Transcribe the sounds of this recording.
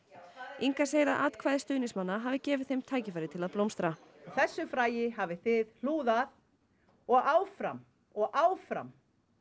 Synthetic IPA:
iŋkaseːjɾaðʔa̰ːt̪kʰvaːjðɪst̪œːɥnɪsmanːaɦaːvɪcɛːvɪðθejmt̪ʰaːjcɪfajɾɪt̪ʰɪlaðplowmst̪ɾaθɛsːʏfɾaːjɪɦaːvɪθɪðl̥uːðað | ɔɣaːwfɾa̰m | ɔɣaːwfɾa̰m

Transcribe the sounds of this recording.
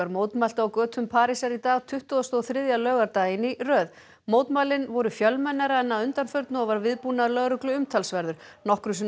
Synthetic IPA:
aɾmoːwt̪mal̥t̪awkœːt̪ʰʏmpʰaːɾisaɾit̪aːɣt̪ʰʏht̪uðast̪ɔːθɾɪðjalœːɣaɾt̪aːjɪnirœːð | moːwt̪malɪnvɔɾʏfjœlmɛnːaɾaɛnːaðʏnt̪anfœɾt̪nʏɔɣvaɾvɪðpunalœɣɾʏklʏʏmt̪ʰalsvɛɾðʏɾ̥ | nɔhkɾʏs̬ɪ

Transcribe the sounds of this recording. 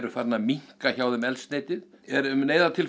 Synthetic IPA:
ɾʏfaɾt̪namiŋ̥kaçaːwðʏmɛlst̪neːjt̪ɪðɛɾʏmneːjðat̪ʰɪl

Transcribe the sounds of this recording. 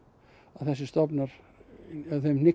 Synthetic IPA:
aðθɛs̬ɪst̪ɔpnaɾ | aðθemnɪ

